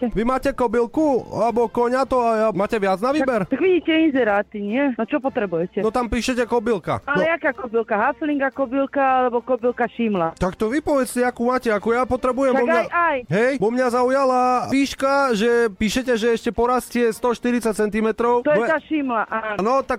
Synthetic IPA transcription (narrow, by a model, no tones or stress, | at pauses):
ɛʋimaːcɛkɔbilkualɛbɔkɔɲat̪ɔaamaːcɛʋɪad͡znaʋiːabɛɾt̪aɡʋiɟiːcɛinzɛɾaːt̪iɲɪɛnɔt͡ʃɔpɔt̪ɾɛbujɛcɛɔt̪ampiːʃɛcɛkɔbilka̰ajakaːkɔbilkaɦasliŋɡakɔbilkaalɛbɔkɔbilkaʃimlat̪akt̪ɔʋipɔʋɛt͡scɛakuːmaːcɛakɔjapɔt̪ɾɛbujɛmt̪aɔmaɲajajɦɛjbɔmɲazaujalaʋiːʃkaʒɛpiːʃɛcɛʒɛɛʃcɛpɔɾascɪɛst̪ɔʃt̪iɾit͡sac̚t͡sɛnt̪imɛt̪ɾɔʊt̪ɔɛɔɛt̪aːʃimlaʔanɔt̪ak